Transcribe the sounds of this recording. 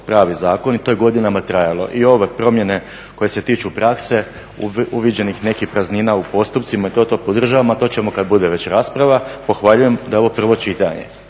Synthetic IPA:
pɾaːʋizaːko̞nit̪o̞jeɡo̞d̪inamat̪ɾajalo̞̰ʔio̞ʋe̞pɾo̞mje̞ne̞ | ko̞je̞se̞t̪iːt͡ʃupɾakse̞ | uʋid͡ʑe̞nixne̞kixpɾazniːnaupo̞st̪upt̪simait̪o̞ːt̪opod̪r̩ʒaːʋamat̪o̞t͡ɕemo̞kad̪̚bud̪e̞ʋe̞t͡ɕɾaːspɾaʋapo̞xʋaʎuje̞md̪ao̞ʋo̞pr̩ʋo̞t͡ʃit̪aɲḛ

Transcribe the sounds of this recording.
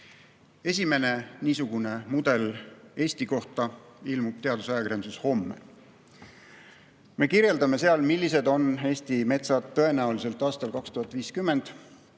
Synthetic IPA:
e̞sʲime̞ne̞niːsuɡ̥une̞mud̪̥e̞le̞ːsʲt̪iko̞ht̪ɑilmub̥t̪e̞ɑd̪usɑjɑkiɾensusho̞mːḛ | me̞kiɾje̞ld̪ɑme̞se̞ɑlmilːise̞d̪o̞ne̞ːst̪ime̞t̪sɑt̪ːɤ̞e̞næulise̞lt̪ːˑɑːst̪ɑlkɑkst̪uhɑt̪ːˑviːskymːe̞nd̪̥

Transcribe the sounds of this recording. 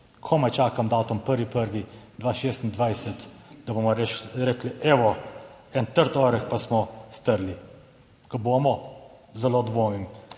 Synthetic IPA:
kʰɔmajt͡ʃaːkamd̪aːt̪ɔmpəɾʋipəɾʋid̪ʋaːʃeːst̪nd̪ʋajsɛt̪d̪abomɔɾɛkliʔɛʋɔɛnt̪əɾt̪ɔɾɛkpasmɔst̪əɾli | kaboːmɔ | zɛlod̪ʋojin

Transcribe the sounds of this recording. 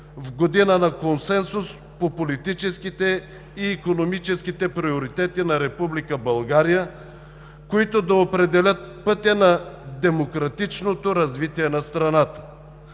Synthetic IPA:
vɡod̪inənɐkonsɛnsʊs | popolit̪it͡ʃɛskit̪ɛ | iːkonomit͡ʃɛskit̪ɛpɾioɾit̪ɛt̪inɐɾɛpublikəbɐlˠɡaɾijə | koit̪od̪ɐopɾɛd̪ɛlʲət̪̚pɤt̪jɐnɐd̪ɛmokɾɐt̪it͡ʃnot̪oɾɐzvit̪iɛnɐst̪ɾɐnat̪ə̥

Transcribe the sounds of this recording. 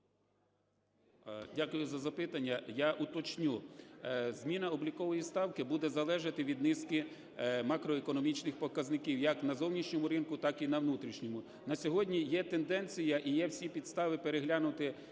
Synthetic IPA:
dʲakʊjʊzɐzɐpɪt̪ɐnʲːɐjaʔut̪ɔt͡ʃnʲu | zmʲinɐɔblʲikɔʋɔjist̪ɑwkɪbud̪ɛzɐlˠɛʒɐt̪ɪʋʲid̪nɪskɪ | mɑkɾɔekɔnɔmʲit͡ʃnɪxpɔkɐznɪkʲiwjɐknɐzɔwnʲiʃnʲɔmʊɾɪnkʊt̪ɑkinɐwnut̪ɾʲiʃnʲɔmʊ | nɐsʲɔɦɔdʲnʲijɛt̪end̪ɛnʲt͡sʲijɐʔijɛwsʲipʲid̪st̪ɑʋɪpeɾeɦlʲanʊt̪ɪ

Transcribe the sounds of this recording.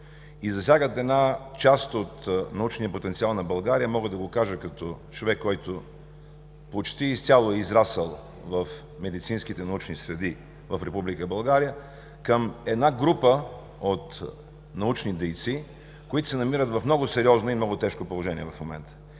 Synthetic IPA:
izɐfsʲjaɡət̪ɛd̪nat͡ʃast̪ot̪nɐut͡ʃnijəpot̪ɛnt̪sialˠnɐbɐlˠɡaɾijəmɔɡəd̪ɐɡokaʒəkɐt̪ɔt͡ʃovɛkːɔjt̪o | pot͡ʃt̪iːst̪ʲalˠoɛizɾasəlˠ | vɐf | mɛd̪it̪sinskit̪ɛnɐut͡ʃnisɾɛd̪i | vɐfɾɛpublikəbɐlˠɡaɾijə | kəmɛd̪naɡɾupə | ot̪ | nɐut͡ʃnid̪ɛjt̪si | koit̪ʊ̥sɛnɐmiɾət̪vɐfmnɔɡʊsɛɾiɔznoimnɔɡʊt̪ɛʃkopolˠoʒɛniɛvɐfmomɛ̰nt̪ə̥

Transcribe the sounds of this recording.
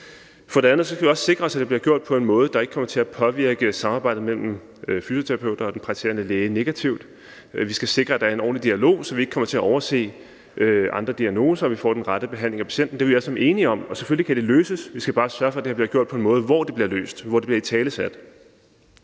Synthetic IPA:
fɒ̽ɾe̝ænð̞̩ˠsɒ̽kɡ̥æʋiɒ̽sse̝ɡ̥ʁɐɒ̽sæd̥eb̥liɐɡ̥jo̝ɐ̰d̥̚pʰɒ̽e̝nmɔ̽ːð̞̩ˠd̥ɑ̈eɡ̥əkʰɒ̽mɐt͡sʰe̝æpʰɒ̽ʋiɐ̰ɡ̥əsɑ̈mɑ̈ːb̥ɑ̈ɪ̰dð̩mel̰m̩ | øfyso̝t͡sʰeʁɑpʰeʊ̰d̥ɐɒ̽d̥enpʰʁɑ̈t͡sʰe̝̰ɐnəleːne̝ɡ̥æt͡sʰiʊd̥ | ʋisɡ̥æse̝ɡ̥ʁɐæd̥ɑ̈ɐe̝nɒ̰ːnlid̥iælo̝̰ːsɒ̽ʋie̝ɡ̥̚kʰɒ̽m̰ɐt͡sʰe̝æʔɒʊɐse̝̰ː | ʔøʔɑ̈nd̥ʁɐd̥iæno̝ːsɐɒʋifɒ̰ːd̥enʁɑ̈ɾ̥əb̥e̝ɦæn̰le̝ŋæpʰæ̥ɕen̰d̥n̩de̝ʋelʋiælsɒme̝ːniɒ̽mɒ̽sefølikʰæd̥e̝løːsəsʋisɡ̥æb̥ɑ̈ːsɶɐfɒæd̥eæb̥liɐɡ̥jo̝ɐ̰d̥̚pʰɒ̽e̝nmɔ̽ːð̞̩ˠʋɒd̥e̝b̥liɐlø̰ːsd̥ʋɒdeb̥liɐit͡sʰɛːləsæd̥

